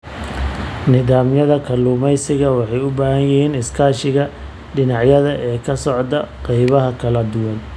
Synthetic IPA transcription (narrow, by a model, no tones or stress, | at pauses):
nɪðaːmjɐðɐkʰɐluːmɛjsɪɣɐwɑħɑjʊbaːhɐnjɪhiːnɪskʰaːʃɪɣɐ | ɖɪnɑʕjɐðɐʔɛːkʰɐsɔʕd̪ɐqɑjβɐɦɐkʰɐlɐd̪ʊwɐn